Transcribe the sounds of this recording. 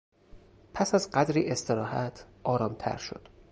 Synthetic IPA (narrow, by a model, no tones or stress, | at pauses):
pʰæsæzɢæd̪ɾiːʔe̞st̪ʰe̞ɾɒːɦæt̪ʰʔɒːɾɒːmt̪ʰæ̰ɾʃo̞̰d̪̥